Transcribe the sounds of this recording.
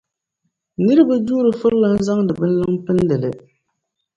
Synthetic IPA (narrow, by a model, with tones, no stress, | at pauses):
nɨ˦ɾɨ˦ba˦duː˦ɾɨ˨fɨ˦ɾlɨ˦n̩˦za˦ŋdɨ˨bɨ˦n̩˦lɨ˦ŋpɨ˦n˦lɨ˨lɨ˨